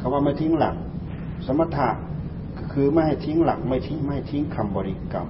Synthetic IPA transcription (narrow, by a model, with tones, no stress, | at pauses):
kʰa˧˩waː˧˩ma˥˩jt̪ʰi˦˥ŋla̰˨˩˦k̚ | sa˨˦ma˧t̪ʰa˧˩ | kːkʰɯː˧ma˥˩˨jha˧˩jt̪ʰi˦˥ŋla̰˨˩k̚ma˥˩jt̪ʰi˦˥ŋa˥˩jha˥˩jt̪ʰi˦˥ŋkʰa˧mbɔː˧ɾi˧ka̰˧˩m